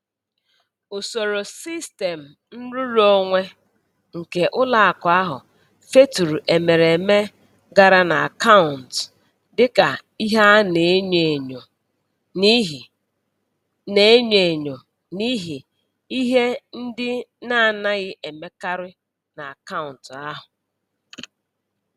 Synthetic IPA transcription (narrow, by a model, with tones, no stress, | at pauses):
ʊ˨so˨ɾo˨si˦ste˨m̩˨ | n̩˦ɾu˦ɾo˦ŋʷe˦ | ŋ̩˨ke˨ʔʊ˦la˦a˨ka˦ɦʊ̰˨ | fe˦tu˨ɾu˨ʔe˨me˨ɾe˨me˦ | ɡa˨ɾa˦na˨a˨ka˦ʊ˨n̩˨t | dɪ˦ka˨i˦ɦa˦ne˨˦ɲe˨ɲo˨ | ni˦ɦi˨ | ne˨˦e˦ɲe˨ɲo˨ | ni˦ɦi˨ | i˦ɦe˦n̩˦dɪ˦na˦˨na˦ɣɪ˦ʔe˨me˦ka˦ɾɪ˦ | na˨a˨ka˦ʊ˨n̩˨ta˦ɦʊ˨